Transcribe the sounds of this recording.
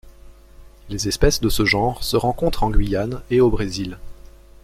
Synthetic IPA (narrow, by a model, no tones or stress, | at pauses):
lezɛspɛsd̪əsəʒɑ̃ʁsəʁɑ̃kɔ̃t̪χɑ̃ɡɥijaneobʁezil